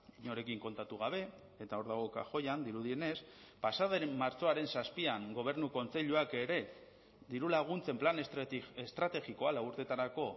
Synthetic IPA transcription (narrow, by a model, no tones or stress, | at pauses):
iɲo̞ɾe̞kiŋko̞nt̪at̪uɣ̞aβ̞e̞ | et̪ao̞ɾðaɣ̞o̞ka̰ʝo̞jand̪iɾuðie̞ne̞spasaðeːaɾt͡so̞aɾe̞nsaspiaŋɡo̞β̞e̞ɾnuko̞nt͡se̞ʎuake̞ɾe̞ | ðiɾulaɣ̞unt͡se̞mplanest̪ɾat̪e̞ɣiko̞alauɾt̪e̞t̪aɾako̞